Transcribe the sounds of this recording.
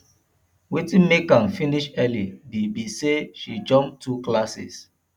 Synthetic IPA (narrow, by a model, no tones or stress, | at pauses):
witĩnmekãnfĩniʃɛlidibiseʃid͡ʒɔ̃mtʰuklasḭs